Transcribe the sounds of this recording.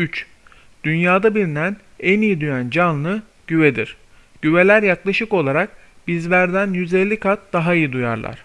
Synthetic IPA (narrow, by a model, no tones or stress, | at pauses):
yt͡ʃ | d̪̥ynjaːd̪abiɾinæn | enijid̪yjænd͡ʒanlˠɯ | ɟ̥yvɛd̪iɾ̥ | ɟ̥yve̞lʲæɾjaklˠaʃɯko̞lˠaɾak̚ | bizvæɾd̪ænjyzɛlʲːikʰat̪̚d̪̥aɦaijid̪uja̰ɾlˠa̰ɾ̥